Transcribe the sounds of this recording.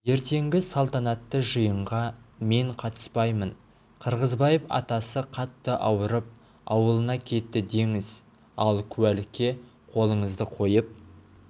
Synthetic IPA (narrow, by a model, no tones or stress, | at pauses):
je̞ɾt̪e̞ŋɡʲɪsɑlˠt̪ɑnɑt̪ːəʒəjəɴʁɑme̞ɴqʰɑt̪ə̥spɑjmən | qʰəɾʁəzbɑjəpɑ̰t̪ɑsəqʰɑt̪ːəʔɑwəɾəp̚ | ɑwəlˠənɑkʲʰe̞t̪ːɪd̪e̞ŋɪz̥ | ɑlˠkʲʰʉælɪkʲːe̞ | qʰo̞lˠəɴəzd̪əqʰo̞jəp̚